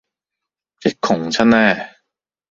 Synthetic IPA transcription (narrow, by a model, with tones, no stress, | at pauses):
t͡sɪ˨˩kʰːʊ˨˩ŋt͡ɕʰɐ˥nnɛː˥˩